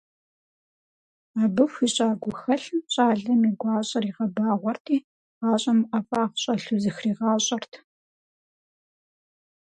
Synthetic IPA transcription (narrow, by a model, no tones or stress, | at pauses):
aːbɨfʷiːɕʼaːɡʷʊxɐɬɕʼaːɮɐmiːɡʷɑːɕʼɐɾiːʁɐbaːʁʷɔrtʰiː | ʁɑːɕʼɐmʔɐfaːχʷɕʼɐɬuzɨxriːʁɑːɕʼɐrtʰ